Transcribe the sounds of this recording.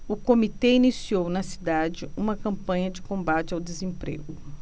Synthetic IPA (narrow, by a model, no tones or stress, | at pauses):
ʊkomit̪ɛinisiownɐsi̥d̪ad͡ʒɪũmɐkɐ̃mpɐ̃ɲɐd͡ʒɪkõmbat͡ʃɪawd̪ezẽpɾḛɡʊ